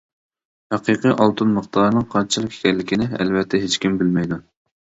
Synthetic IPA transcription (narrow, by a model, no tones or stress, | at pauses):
hæqʰɨqɨʔɑlˠt̪ʰɨnməχt̪ɑɾnɨŋqʰɑɾt͡ʃʰlˠəkʲʰe̥kʲʰɛlːɪkʲinɪɛ̰lvɛt̪ʰːɛɦet͡ʃkʲimbɪlmɛjd̪u